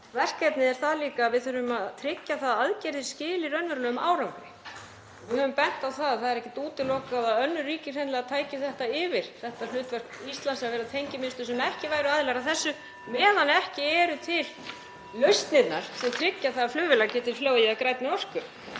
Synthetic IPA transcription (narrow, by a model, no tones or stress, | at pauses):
vɛr̥kːɛt̪nɪðɛɾ̥θaðliːkaːvɪðθœɾʏmaðt̪ʰɾɪcːaθaðaðcɛɾðɪ̥scɪːlɪɾœnvɛɾlœːʏma̰ːwɾawŋkɾɪ | vɪðhœvʏmpɛn̥t̪awθaðaθaðɛɾɛhcɪt̪uːt̪ɪlokaðaœnːʏriːcɪr̥ɛnlɛɣat̪ʰaːjcɪθɛht̪aɪvɪɾ̥θɛht̪alʏːt̪vɛr̥kist̪lansavɛːɾat̪ʰejɲcɪmɪnst̪ʏsɛmɛhcɪvaːjɾʏaðlaɾaθɛsːʏ | mɛːðanɛhcɪɛɾʏt̪ʰɪl | lœɥst̪nɪt̪naɾ̥sɛmt̪ʰɾɪcːaθaðflʏːvɪlaɣcɛːt̪ɪɾ̥floːwjɪakɾajt̪nɪɔr̥kʏɾ̥